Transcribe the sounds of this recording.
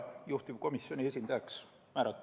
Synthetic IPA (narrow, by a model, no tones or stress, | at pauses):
juht̪iv̥ko̞misjo̞nʲie̞sʲind̪̥ɑjɑks | mæːɾɑt̪ː